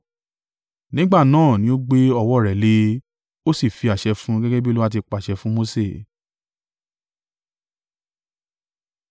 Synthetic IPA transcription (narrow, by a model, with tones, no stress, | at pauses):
nĩ˦ɡ͡ba˦˨nãː˦˨nĩ˦o˦ɡ͡be˦ɔ˧wɔ˦˨ɾɛ˨le˧˦ | o˦si˦˨fi˨˧a˨ʃɛ˧fũ˦ɡɛ˦ɡɛ˦bi˦lu˦a˦t̬i˧k͡pa˨ʃɛ˧fũ˦mo˦se˦˨